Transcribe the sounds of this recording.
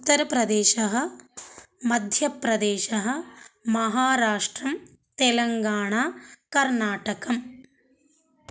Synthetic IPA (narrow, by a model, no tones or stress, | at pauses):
ut̪ːɐɾɐpɾɐd̪eːʃɐɦɐ̆ | mɐd̪ʱjɐpːɾɐd̪eːʃɐɦɐ̆mɐɦaːɾaːʂʈɾɐm | t̪elɐŋɡaːɳaːkɐɾɳaːʈɐkɐm